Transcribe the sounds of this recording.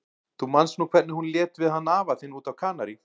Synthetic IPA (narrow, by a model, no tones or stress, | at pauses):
θumanst̪nuːkʰvɛt̪nɪhunljɛːt̪vɪðhanːaːvaθɪnːuːt̪awkʰaːnaɾi